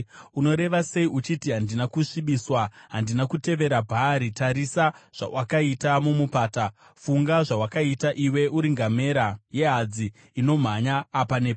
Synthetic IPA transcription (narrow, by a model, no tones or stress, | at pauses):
uno̞ɾe̞ʋase̞iut͡ʃitiɦandinakuʂiɓiswaɦandinakute̞ʋe̞ɾabʱaɾitaɾisaʐ̥a̰wakaitamumupaːta | fuŋɡaʐawakaitaʔiwe̞ʔuɾiŋɡame̞ɾaje̞ɦad͡ziː | no̞m̤aɲaːpanep